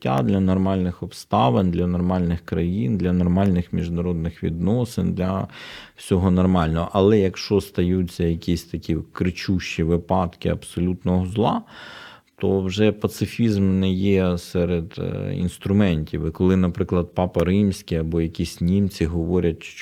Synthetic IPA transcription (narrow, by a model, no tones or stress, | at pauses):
tʲːa̰d̪lʲɐnɔrmɑlʲnɪxɔpst̪ɑʋend̪lʲɐnɔrmɑlʲnɪxkɾɐjind̪lʲɐnɔrmɑlʲnɪxmʲiʒnɐɾɔd̪nɪxʋʲḭd̪nɔsɪnd̪lʲɐwsʲɔɦɔnɔrmɑlʲnɔɦɔʔɐlˠɛjɐkʃt͡ʃɔst̪ɐjut͡sʲːɐjɐkʲisʲt̪ɐkʲikɾɪt͡ʃuʃt͡ʃiʋɪpɑt̪kɪ̰ɐbsɔlʲut̪nɔɦɔzlˠɑ | t̪ɔwʒɛpɐt̪sɪfʲizmnɛjɛsɛɾed̪ḭnst̪ɾʊmɛnʲtʲiʋɪkɔlˠɪnɐpɾɪklˠɐd̪̚pɑpɐɾɪmsʲkʲɪɐbɔjɐkʲisʲnʲimt͡sʲiɦɔʋɔɾʲɐtʲʃt͡ʃ